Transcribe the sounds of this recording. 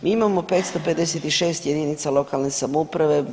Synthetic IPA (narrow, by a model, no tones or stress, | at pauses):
miːimamo̞pe̞ːt̪st̪ope̞d̪d̪eset̪iʃe̞ːst̪je̞d̪iːnit̪salo̞kalnesamoupɾaʋe̞